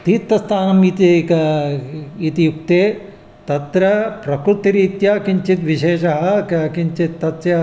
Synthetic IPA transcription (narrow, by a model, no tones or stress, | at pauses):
t̪iːt̪ːɐst̪ʰaːnɐmit̪ik | it̪ijuk̚t̪eː | t̪ɐt̪ɾɐpɾɐkɾut̪iɾiːt̪jakiɲt͡ʃit̪ʋiʃeːʃɐɦɐ̆kkiɲt͡ʃit̪ːɐt̪sjɐ